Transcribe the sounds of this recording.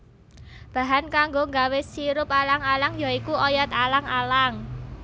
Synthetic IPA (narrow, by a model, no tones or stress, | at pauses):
b̥a̤ɦankaŋɡoŋɡawɪsiɾʊpalaŋalaŋjaikuʔɔjɔt̪alaŋalaŋ